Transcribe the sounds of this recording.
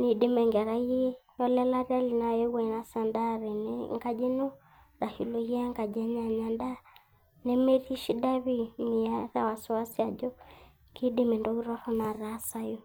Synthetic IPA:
ni˨di˦mɛ˨ŋɡɛ˨ɾa˦i˦ɛ˦ | jɔ˦lɛ˦la˦ra˦li˨na˨je˦wa˦i˨na˦sa˨nda˦ɾɛ˨n˦ŋɡa˦d͡ʒe˦no˦ | ra˨hi˨lo˨ji˦a˦ŋɡa˨d͡ʒɛ˦ɲa˨ɲa˨nda˦ | ne˦me˦ri˦ʃi˦da˦βi˦˨ni˨a˦ra˦˨wa˨sɔ˨wa˦si˦a˨d͡ʒɔ˦ | ki˦di˦me˨ndɔ˦ɣu˦ɾɔ˦hɔ˦na˨ɾa˨˦sa˦jo˦

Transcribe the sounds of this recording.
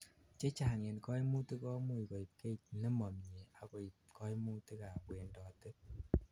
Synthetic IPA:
t͡ʃe˦t͡ʃaː˨ŋe˨nkɔ˦jmu˦ti˦kɔ˦mu˦˨jko˨i˨p̚ke˦t̚nɛ˦mɔ˨mɲe˨a˨ko˨i˨pkɔ˦jmu˦te˦ka˨pwɛ˨ndɔ˨tɨ˦

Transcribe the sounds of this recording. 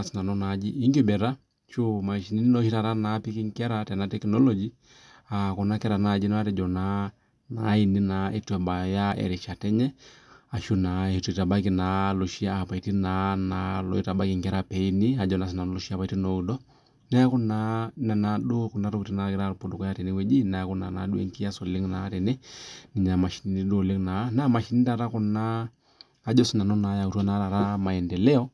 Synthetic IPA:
a˨si˨na˨nɔ˦na˨d͡ʒi˦ʔi˦ŋɡi˦bɛ˨ɾa˦ | ʃu˦ma˨ʃi˨ni˦i˦nɔ˦ʃi˦ta˨ɾa˦na˨pi˦ki˦ŋkɛ˦ɾa˦tɛ˨na˦tɛ˦knɔ˦lɔd͡ʒi˦ | a˨kɔ˨na˦kɛ˦ɾa˨na˨d͡ʒi˦nɛ˦wa˦tɛ˨d͡ʒɔ˨na˦ | na˨˦i˨ni˦na˨ʔɛ˦twɛ˨ba˨ja˦ɛ̰˨ɾi˨ʃa˨tɛ˦ɲɛ˦a˨ʃu˦na˨hi˨tu˨i˨ta˨ba˦ki˨na˨˦lɔ˨ʃi˦aː˨pa˨i˨ti˦na˦na˨lɔ̰˨i˦ta˨ɓa˦ki˨ŋɡɛ˦ɾa˦pɛ˨i˦ni˦a˨d͡ʒɔ˦na˨s̬i˨na˨nɔ˦lɔ˦ʃi˦a˨pa˨iti˦nɔ˨u˨dɔ˦ | na˦ja˦kɔ˦na˨˦na˨na˨ɗu˦ku˨nda˦ɾɔ˦ku˨ti˨na˨ɾa˦ki˦ɾa˦ɾpu˦du˨kɔ˦ja˦tɛ˨nɛ˦wɛ˦d͡ʒi˦na˨ja˨ku˦na̰˨na˨ɗu˦ɛ̰˦ŋki˦a˦sɔ˨li˦ŋnaː˨˦tɛ˨nɛ˦ni˨ɲa˨ma˨ʃi˨ni˦ni˦du˦˨le˦ŋna˨˦na˦ma˨ʃi˨ni˦ta˨ɾa˦kɔ˦na˦ | a˦d͡ʒɔ˦si˦na˨nɔ˦na˨˦ja˨u˨tu˦a˦na˦ɾa˨ɾa˦ma˨ɛ˨ndɛ˨lɛ˦ɔ˦

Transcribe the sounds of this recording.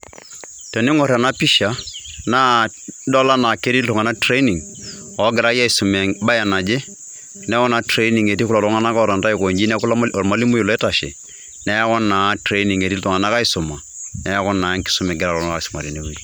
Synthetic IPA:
tɛ˨ni˦ŋɔ˨ɾa˨na˦pi˦ʃa˨na˦ | dɔ˦la˦na˨ke˦ɾi˦ltɔ˨ŋa˨na˦tɾe˦i˦ni˨ŋ | ɔ˨˦ɡɪ˨ɾa˦ja˦i˨su˨mɛ˨ŋba˦ja˨na˨d͡ʒe˦ | nɛ˦kɔ˦na˨tɾe˦i˦ni˨ŋe˨ti˦kʊla˨tɔ˦ŋa˦na˦ka˦ɔ˨ɾa˨nta˦i˦˨ko˨ɲd͡ʒi˦nɛ˦klɔ˨ɾma˦li˦mʊ˦ji˨lɔ˨ɛ˦ta˨ʃɛ̰˨ | nɛ˦ja˦kɔ˦nːa˨tɾe˦i˦ni˨ŋe˨ti˦ltɔ˨ŋa˨na˦ka˦ɪ˦sʊ˨ma˨ | nɛ˦ja˦kɔ˦nːa˨˦ŋkɪ̥˦sʊ˦mɛ˨ɡɪ˦ɾa˨lɔ˨˦a˦a˨i˨sʊ˨ma̰˨ɾi˨ne˨˦wu˦

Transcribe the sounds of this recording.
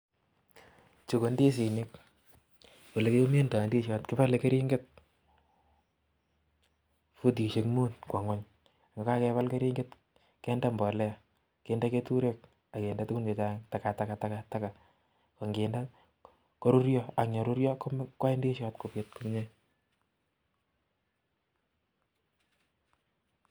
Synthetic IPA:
t͡ʃo˨ko˨ndi˦s̬i˨nɪk | wo˨le˨ke˦jo˦me˦nda˨ndi˦ʃatkɪ˦pa˦le˨ke˦ɾi˦ŋɡe˦t̚ | fu˦t̬i˨ʃe˨kmu˦nkwa˨ŋwa˦ɲ˨ | ŋɡa˨ka˦kɛ˦pa˦lke˦ɾi˦ŋɡe˦t | kɛ˦nda˦mbɔ˨lɛ˦a˨ | ke˨nda˦ke˦tu˦ɾek̚ | a˨ke˨nda˦tu˦ɡu˦nd͡ʒe˨t͡ʃa˦ta˨ka˨ta˨ka˨ta˦ka˨ta˦ka˨ | ko˨ŋɡeː˨nda˦ | kɔ˦ɾu˦ɾjɔ˦a˨kɲɔ˨ɾuɾjɔ˦ko˦mkwa˦e˦ndi˦e˦ʃa˨tko˨pje˦t̚ku˦m˦ɲa˦j

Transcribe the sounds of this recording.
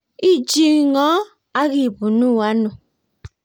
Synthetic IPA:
i˦d͡ʒi˦˨ŋɔ˨˦ | a˦ɣi˨bu˨nu˦˨wa˦nu˨

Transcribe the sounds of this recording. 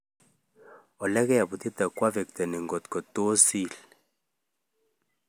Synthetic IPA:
ɔ˨lɛ˦kɛ˦ja˨bu˨t̪i˦t̪a˨kwa˦vɛ˨k̚t̪ɛ˨ni˨ŋɡɔ˨t̪kɔ˨to˦si˦˨l

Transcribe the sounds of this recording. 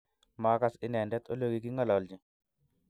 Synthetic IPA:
ma˨˦ka˦sɪ˦nɛ˨ndɛ˦t̪o˦lo˦ɡi˦ki˦ŋɔ˦˨lɔ˨ld͡ʒi˨

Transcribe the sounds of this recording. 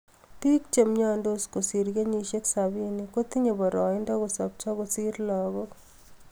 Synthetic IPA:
ti˦k̚t͡ʃe˨mɲa˦ndo˦sko˨si˨ɾɡe˦ɲi˧ʃe˦ksabi˦ni˨ko˦t̪i˦ɲe˨bɔ˨ɾɔ˨ɪndɔ˦ko˨sɔ˨p̚t͡ʃɔ˦ko˨si˦ɾlɔɣɔ

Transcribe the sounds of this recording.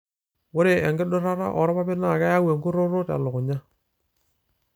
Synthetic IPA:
wʊ˦ɾe˨ɛ˨ŋɡɪ˦ɗʊ˦ɾa˦ɾa̰˦ʔɔ˨ɾɔ˦pa˦bɪ˦na˦˨ka˦ja˦we˨ŋɡʊ˦ɾo˦ɾo˦ta̰˨lʊ˨kʊ˨ɲa˦

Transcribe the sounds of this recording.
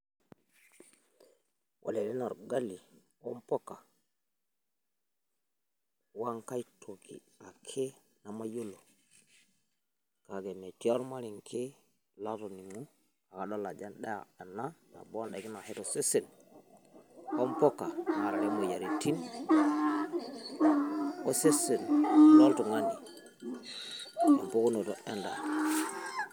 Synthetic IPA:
ʔa̰˨le˨li˦no˨ɾɡa˦li˨ | o˦mpo˦ka˨ | wa˦ŋka˦jtʰo˨kḭ˨ | a˨kʰe˦ | na˨ma˦jo˦lo˨ | ka˨ɡe˨me˨ti˦o˦ɾma˦ɾi˨ŋkʰe˦ | la˦to˨ni˨ŋu˦ | a˨ka˨ɗo˦la˨d͡ʒa˦nɗa˦ja̰˨e˨nːa˦na̰˨bo˦nɗa˨ki˦na˨he˦to˨se˦se˨n | o˦mpo˦kːa˨ma˨ɾa˨e˦mo˨ja˨ɾi˨tʰi˦n | o˦se˦se˨nlo˦ltu˨ŋa˦ni˨ | a̰˨mpo˦ku˦no˨to˨ʔe˦nda̰˨

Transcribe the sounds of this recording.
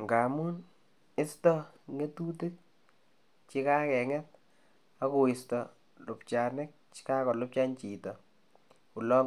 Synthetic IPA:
ŋɡa˨mu˦n | ɪ˦stɔ˦ŋe˦tu˦te˦k̚ | t͡ʃi˦ka˦kɛ˨ŋɛ˦t̚ | a˦kʊ˨ɪ˨stɔ˨ | lʊ˨pt͡ʃa˨nɪ˦k̚t͡ʃka˦kɔ˨lʊ˦p̚t͡ʃa˦nt͡ʃi˨tɔ˨ | ʊ˨lɔ˦

